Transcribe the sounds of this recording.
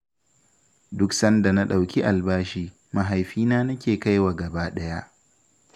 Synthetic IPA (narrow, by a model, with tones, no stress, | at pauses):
dʊ˦ksɐ˦nda˨na˦ɗa˨wkʲi˦ʔa˨lbaː˦ʃiː˦ | ma˨ɦa˨jɸiː˦naː˦nɐ˦kʲeː˨ka˦jwa˨ɡɐ˨baː˦ɗɐ˦ja˦ʔ